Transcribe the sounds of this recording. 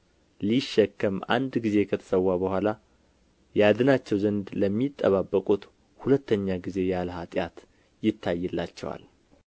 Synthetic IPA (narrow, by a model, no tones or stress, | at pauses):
liʃːɛkːəma̰nd̪ɡize̞kʰət̪ʰə̥səwːabəhʷala | jad̪ɨnat͡ʃːɛwzənd̪ləmːit̪ʼːəβabːəkʼut̪ | hulət̪ʰːəɲːaɡize̞jalhat̪ʼjat̪ | jɪt̪ʰːajːɛlːat͡ʃːɛwa̰l